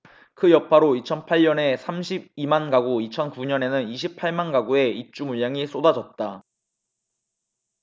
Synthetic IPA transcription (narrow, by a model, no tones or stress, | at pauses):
kɯjʌpʰaɾoit͡ɕʰʌnpʰaʎɲʌne̞sʰamɕʰib̚imanɡaɡoit͡ɕʰʌnkuɲʌne̞nɯniɕʰipʰaɭmanɡaɡue̞ip̚t͡ɕ͈umuʎːaŋis͈odad͡ʑʌt̚t͈a